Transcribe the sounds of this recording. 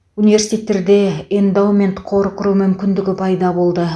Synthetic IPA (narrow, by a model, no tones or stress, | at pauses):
univesi̥t̪ʰʲe̞t̪ːe̞ɾd̪e̞end̪awmʲe̞nt̪qʰo̞ɾqəɾumʏmkʲɪnd̪ɪɡʲɪpʰɑjd̪ɑbo̞lˠd̪ə